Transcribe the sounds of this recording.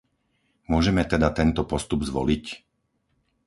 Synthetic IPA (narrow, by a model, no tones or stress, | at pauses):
mʊɔʒɛmɛt̪ɛd̪at̪ɛnt̪ɔpɔst̪ubzʋɔ̰lic